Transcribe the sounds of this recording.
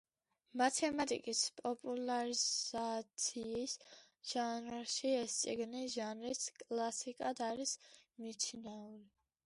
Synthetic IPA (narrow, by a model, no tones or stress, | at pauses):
mat̪ʰɛmat̪ʼḭkʼispʼɔpʼulaɾizat̪sʰiːs | ʒ̥anʃiɛst̪sʼiɡniʒanɾiskʼlˠasikʼad̪aɾismit̪sʰnauli